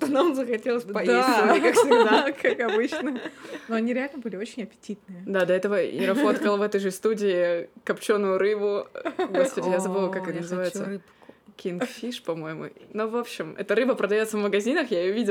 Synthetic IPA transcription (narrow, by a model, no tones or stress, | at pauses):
t̪onamzəxɐtʲelˠəsʲpɐjd̪ʲkaksʲɪɡd̪akakɐbɨt͡ɕnənoɐnʲiɾʲɪalʲnəbɨlʲɪot͡ɕɪnʲɐpʲɪ̥tʲit̪nɨjəd̪ad̪ɐɛt̪əvəɪ̰ɾɐfot̪kəlˠvɛt̪əjʐɨst̪udʲɪɪkɐpt͡ɕo̞nːʊjʊɾɨbʊɡospɐdʲɪjazɐbɨvɐlˠkakɨt̪ənəzɨajʊt̪sərɨpkʲinkfʲiʂpɐmo̞jɪmʊ̰novo̞pɕːɪmɛ̰t̪əɾɨbəpɾəd̪ɐjosəvməɡɐzʲinəxjaɪjʊvʲidʲɪ